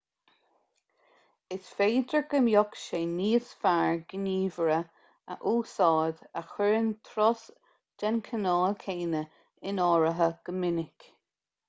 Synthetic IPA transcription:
ɪsfeːd̪əɡəmjɔkʃeːniːsfaɹɡəniːvəɹə | ə̰ʔuːsɑːd̪əxwɪɹənt̪ʰɾɔs | d̥ɛnkʰənɑːlkʰeːnə | ɪnɔːɹəɦəɡ̥əmɪnɪk

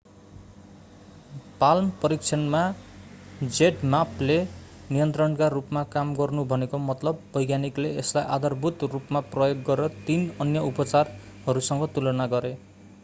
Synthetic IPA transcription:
palmpʌɾik̚t͡sʰʌnma | d͡zeʈmaple | nijʌnt̪rʌnkarupmakamɡʌrnubʱʌnekomʌt̪lʌbːʌjɡjanikleeslajʔad̪ʌrbʱut̪rupmaprʌjoɡɡʌɾeɾʌt̪inʌnjʌupʌt͡sar | hʌɾusʌŋɡʌt̪ulʌnaɡʌɾe

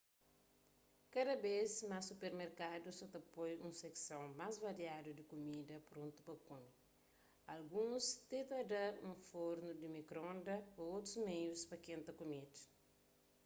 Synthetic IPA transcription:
kɐdɐbesmasupeɾmeɾkadusot̪ɐpojũseksɐ̃wmazvɐɾiad̪ud̪ikomidɐpɾõnt̪u̥pɐkomi | ɐlɡũst̪et̪adɐũfoɾnud̪imikɾõndɐoot̪ɾuzmejuspɐkẽnt̪ɐkumed̪ɐ

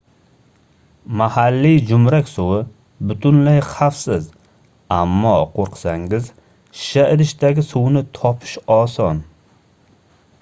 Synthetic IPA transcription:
mahalːid͡ʒʊmɾakʲsʊwɪ | bʊt̪ʰʊnlajχafsɪz | amːɒqʰoɾqʰɨ̥saŋɪz | ʃaɪɾɪʃt̪aɡʲɪsʊwnɪt̪ʰɒpʰɪ̥ʃɒsɒn

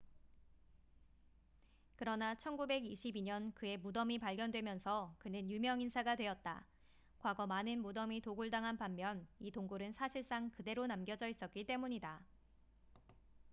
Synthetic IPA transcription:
kɯɾʌnat͡ɕʰʌnɡube̞ɡiɕʰibiɲʌnkɯe̞mudʌmipaɭɡjʌndwe̞mjʌnsʰʌkɯnɯnjumjʌŋinsʰaɡadwe̞ʌt̚t͈a̰ | kwaɡʌmanɯnmudʌmitoɡuɭdaŋɦanpamːjʌnitoŋɡoɾɯnsʰaɕʰiɭs͈aŋkɯde̞ɾonamɡjʌd͡ʑʌis͈ʌt̚k͈it͈e̞muɲida

